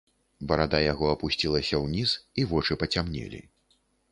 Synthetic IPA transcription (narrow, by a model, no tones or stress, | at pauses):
bɐɾad̪ajaɣɔɐpusʲt͡sʲilˠɐsʲɐwnʲisivɔt͡ʂɨpɐt͡sʲamnʲɛ̰lʲḭ